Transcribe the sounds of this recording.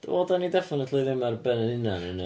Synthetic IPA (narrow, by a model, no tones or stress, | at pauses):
odanːidɛfɪnətʰlˠoɨðɪmarbɛnənɪnanən